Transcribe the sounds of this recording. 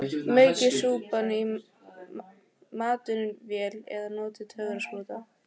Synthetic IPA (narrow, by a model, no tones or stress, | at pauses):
meːɥcɪsuːpani | maːt̪ʏnvjɛːlɛ̰ðanoːt̪ɪt̪ʰœːɣɾasvoːt̪a